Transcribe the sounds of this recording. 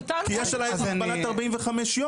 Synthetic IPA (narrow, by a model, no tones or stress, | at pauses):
t̪akijɛʃalajbanat̪aʁbaʔimveχameʃjo